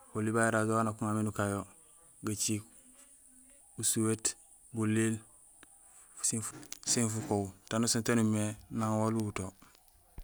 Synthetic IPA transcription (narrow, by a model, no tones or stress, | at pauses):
olːibajeɾad͡ʒowanakuŋaminukajo | ɡat͡ʃik | busuwet | bulːil | sisinfukowtanusuntanumenaŋwoluuto